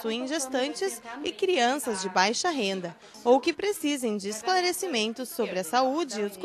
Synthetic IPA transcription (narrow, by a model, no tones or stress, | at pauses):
suẽʒest̪ɐ̃nt͡ʃɪsɪkɾiɐ̃sɐzd͡ʒɪbajʃɐɦẽnd̪ɐ | owkɪpɾesizẽj̃d͡ʒɪːsklaɾesimẽnt̪ʊsːobɾɪɐsaud͡ʒɪːʊsk